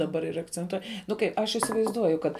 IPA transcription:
dɐˈbɐr ɪr ɐkt͡sʲɛnˈtuɔj nʊ ˈkɐɪp ˈɐʃ ɪsʲɪʋɐɪzˈduɔjʊ kɐt

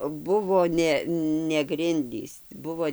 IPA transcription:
ˈbʊʋoː ˈnʲɛ nʲɛ ɡrʲɪnʲˈdʲiːs ˈbʊʋoː

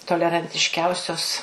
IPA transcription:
toːlʲɛrɐnʲtʲɪʃʲˈkʲɛʊsʲoːs

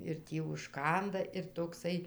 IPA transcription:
ɪr ˈtʲiː ʊʃˈkɐndɐ ɪr toːkˈsɐɪ

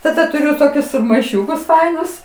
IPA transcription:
tɐˈdɐ tʊˈrʲʊ ˈtoːkʲʊs mɐɪˈʃʲʊkʊs ˈfɐɪnʊs

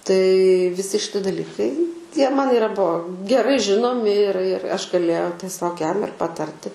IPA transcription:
tɐɪ ʋʲɪˈsʲɪ ʃʲɪˈtʲɪ dɐˈlʲɪkɐɪ ˈtʲiɛ ˈmɐn ɪˈrɐ ˈbuɔ ɡʲɛˈrɐɪ ˈʒʲɪnoːmʲɪ ɪr ɪr ˈɐʃ ɡɐˈlʲeːjɛʊ tʲɛˈsʲoːk ˈjɛm ɪr pɐˈtɐrʲtʲɪ

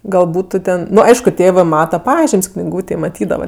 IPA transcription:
ɡɐlˠ ˈbuːtʊ tʲɛn ˈnʊ ˈɐɪʃkʊ ˈtʲeːʋɜ ˈmɑːtɐ ˈpɑːʒʲɪmʲsʲ knʲɪˈɡuːtʲeːj mɐˈtʲiːdɐʋɐ

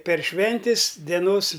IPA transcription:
pʲɛr ˈʃʲʋʲɛnʲtʲɪs dʲɛˈnoːs

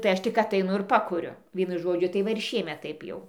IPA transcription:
tɐɪ ˈɐʃ tʲɪk ɐtɐɪˈnʊ ɪr ˈpɑːkʊrʲʊ ˈʋʲiɛnʊ ˈʒoːd͡ʒʲʊ tɐɪ ˈʋɐ ɪr ˈʃʲiɛmʲɛt ˈtɐɪp jɛʊ

